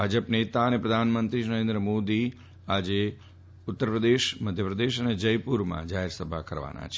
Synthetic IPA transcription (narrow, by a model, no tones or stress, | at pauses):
bʱad͡ʒəpnet̪aənepɾəd̪ʱanmənt̪ɾinəɾẽnd̪ɾəmod̪i | ad͡ʒe | ʊt̪ːəɾpɾəd̪eʃməd̪ʱjəpɾəd̪eʃəned͡ʒəjpuɾmã̰d͡ʒaɦeɾsəbʱa̰kəɾʋa̰na̰t͡ʃʰe